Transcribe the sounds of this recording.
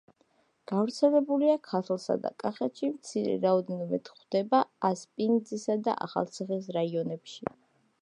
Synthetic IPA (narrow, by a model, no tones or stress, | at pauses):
ɡ̥avɾt̪sʰɛlɛbuliakʰat̪ʰlˠsa̰d̪a̰kʼaχɛt̪ʃimt̪sʰiɾɛ̰ɾaɔd̪ɛnɔmɛt̪χd̪ɛbaːspʼind̪zisad̪a̰ʔa̰χa̰lˠt̪sʰiχis̬ɾaiɔnɛpʃi